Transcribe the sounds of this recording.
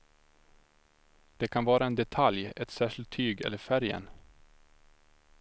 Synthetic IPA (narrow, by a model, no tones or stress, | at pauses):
d̪̥ɛkʰanvɑːɾaɛnd̪ɛt̪ʰaljɛt̪sæːʂɪlt̪ʰːyːɡɛ̰lːəfæɾjə̰n